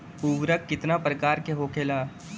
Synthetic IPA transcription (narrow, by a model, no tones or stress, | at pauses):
uːʋɾəkːɪt̪napɾəkaːɾkeɦoːkʰeːlaː